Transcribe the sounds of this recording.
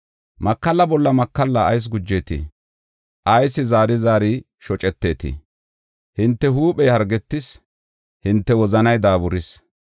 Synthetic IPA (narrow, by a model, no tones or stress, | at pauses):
mɐkːɐlːɐbɔlːɐmɐkːɐlːɐːjs̬ɡʊd͡ʒːeːt̪ḭ | ʔɐjsːɪzaːɾɪzaːɾi | ʃɔt͡ʃʼɛt̪ːe̞ːt̪ḭ | hɪnt̪ːɛɦuːpɛjhɐɾɡɛt̪ːɪs | hɪnt̪ːɛwɔzɐnɐjd̪aːbʊɾɪs